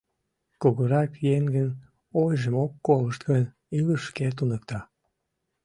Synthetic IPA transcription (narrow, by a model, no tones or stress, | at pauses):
koɣoɾɑkjeŋɡən | ojʒəmokːoləʃt̪ɡənʲ | iləʃket̪̬unək̚t̪ɑ